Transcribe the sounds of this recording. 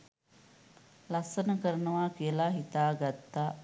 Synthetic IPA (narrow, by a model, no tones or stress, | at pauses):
lɐsɐnɐkɐɾnɐʋaːkejlaːɦit̪aːɡɐt̪ːa